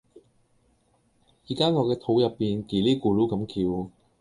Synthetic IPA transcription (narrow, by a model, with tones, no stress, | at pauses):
jiː˨˩kaː˥ŋɔː˨˧kɛː˧t̪ʰo˨˧˥wjɐ˨pːiː˨nkiː˨˩liː˥kuː˨˧luː˨˥kɐ˨˥mkiː˧w